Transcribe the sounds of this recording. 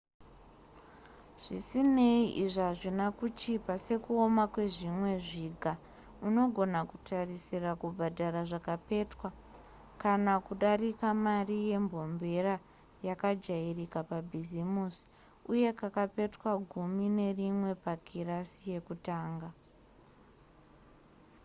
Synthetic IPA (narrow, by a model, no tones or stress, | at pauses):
ʐ̥isine̞iʔiʐaʐinakut͡ʃipase̞kuo̞makwe̞ʐimwe̞ʐiɡʱa | uno̞ɡʱo̞nakutarisirakubʱadʱaɾaʐakape̞twa | kanakuɗarikamarije̞mbʱo̞mbe̞ra | jakad͡ʒairikapabʱizimusi̥ | uje̞kakape̞twaɡʱumine̞rimwe̞pakirasije̞kutaːŋɡa